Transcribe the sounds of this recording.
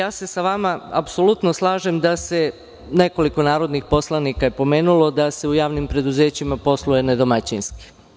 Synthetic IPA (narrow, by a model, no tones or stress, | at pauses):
jaːse̞saʋamaapso̞lut̪no̞slˠaːʒemd̪ase̞ | ne̞ko̞liko̞naːɾo̞d̪nixpo̞slˠanikaje̞po̞me̞ːnulˠo̞d̪ase̞ujaːʋnimpɾe̞d̪uze̞ːt͡ɕimapo̞slˠuje̞ned̪o̞mat͡ɕinski̥